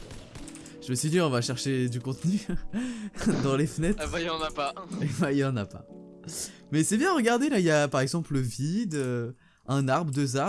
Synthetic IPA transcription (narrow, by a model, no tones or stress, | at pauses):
ʒ̥əməsɥid̪iɔ̃vaʃɛʁʃed̪ykɔ̃t̪ny | d̪ɑ̃lefənɛt̪abaiɑ̃napabailɑ̃napa̰ | mɛsɛbjɛ̃ʁəɡaʁd̪elailjapaʁɛɡzɑ̃pləvid̪ø | ɛ̃naʁbʁəd̪øza